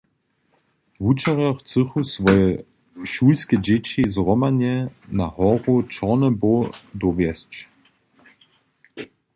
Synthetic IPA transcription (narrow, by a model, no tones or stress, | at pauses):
vut͡ʃaʁɔχt͡sɨχusvɔjə | ʃuːlskəd͡ʑet͡ɕizʁɔmanjɛnahɔʁot͡ʃɔʁnəbodɔvjɛst͡ʃ